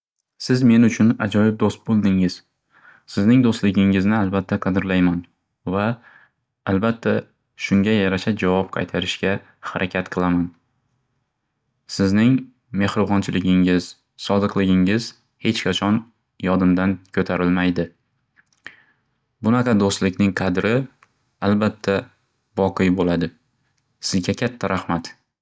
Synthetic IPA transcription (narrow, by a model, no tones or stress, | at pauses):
sɪzme̞nʊt͡ʃʰʊnad͡ʒɒjɪb̚d̪ost̪̚bolˠd̪ɪŋɪz̥ | sɪznɪŋd̪ost̪lɪɡʲɪŋɪznɪalbat̪ʰːaqʰɑd̪ɪɾlajman | vaː | lbat̪ʰːa | ʃʊŋɡʲajaɾaʃad͡ʒavɒp̚qʰɑ̰jt̪ʰaɾɪʃkʲa | haɾʔakʲʰat̪qʰɨlˠaman | sɪznɪŋ | me̞hɾɨvɒnt͡ʃʰɪlɪɡʲɪŋɪz̥ | sɒd̪ɨqlɪɡʲɪŋɪz̥ | he̞t͡ʃkʰʲɑt͡ʃʰɒn | jɒd̪ɪmd̪ankʲʰɵt̪ʰaɾɪlmajd̪ɪ | bʊnaqʰɑd̪ost̪lɪkʲnɪŋqʰɑd̪ɾɪ | albat̪ʰːa | vɒqʰɨjbolad̪ɪ | sɪzɡʲakʲʰat̪ʰːaɾʔahmat̪